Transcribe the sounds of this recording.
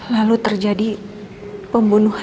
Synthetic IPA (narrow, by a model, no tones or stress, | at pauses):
lalut̪ərd͡ʒadi | pəmbunuh